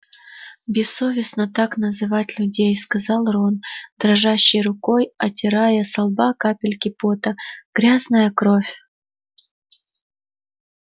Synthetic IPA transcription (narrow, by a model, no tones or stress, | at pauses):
bʲɪsːovʲɪsnət̪aknəzɨvatʲlʲʊdʲejskɐzɑlˠrond̪ɾɐʐaɕːɪjrʊko̞jɐtʲɪɾajəsɐlˠbakapʲɪlʲkʲɪpot̪əɡ̥ɾʲaznəjəkɾo̞fʲ